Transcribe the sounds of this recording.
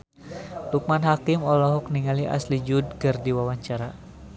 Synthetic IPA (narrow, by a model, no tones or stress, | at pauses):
luk̚manɦakimɔlɔɦɔk̚niŋaliʔa̰slid͡ʒud̚kɨrdiwawaɲt͡ʃaɾa